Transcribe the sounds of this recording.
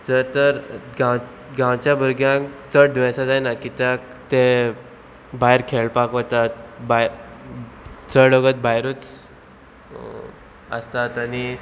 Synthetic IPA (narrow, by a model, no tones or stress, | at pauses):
d͡zəɾt̪əɾɡãw | ɡãwt͡ɕjabʱəɾɡjãkt͡səɽd̪ʋãsad͡zajnakit̪jak | t̪e | baɦjɾkʰeɭpakt̪at̪̚ba | t͡səɽəɡət̪̚bajɾut͡s | ə̰st̪at̪ani